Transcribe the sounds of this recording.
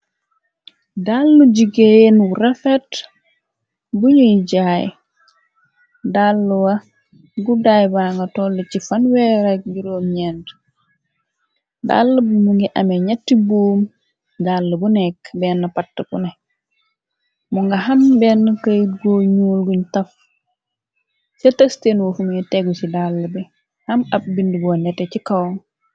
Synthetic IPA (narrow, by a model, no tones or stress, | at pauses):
dalːud͡ʒiɡejenwuɾefɛt | buɲujɟaːj | dalːuwa | ɡudaːjbaŋɡɐtɔlːet͡ʃifanwɛːɾakɡiɾomɲɛnd | da̰lːəbumuŋɡiʔameɲatːibuːm | dalːəbunɛkbɛːnːɐpatːəbṵnɛ | muŋɡɐɦɐmbɛːnːɐkɐjɡoːɲuːlɡuɲtɐf | setɐstenwofumuɲɛtɛɡusidalːɐbɛ | hɐmɐb̚bindibɔwanɛtːecikawŋ